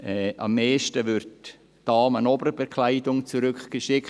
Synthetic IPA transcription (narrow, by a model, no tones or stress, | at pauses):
ɛːɑ̰mːeːʃtəvʏɾt | d̥ɑːmənɔbəɾəbekʰlaɪdʊŋt͡suɾʏkɡ̥əʃɪk